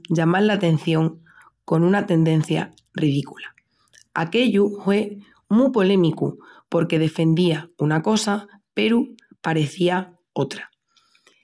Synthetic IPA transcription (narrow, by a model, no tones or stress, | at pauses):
ʝamaɾlat̪ẽ̞n̟θjo̞ŋ | ko̞nũnat̪e̞nd̪ẽ̞n̟θja̰ | rið̞ikula | a̰ke̞ʎuhwe̞ | mupo̞lẽ̞mikṵpo̞ɾke̞ð̞e̞fẽ̞nd̪iaunako̞sa | pe̞ɾu | paɾe̞θia | o̞t̪ɾḁ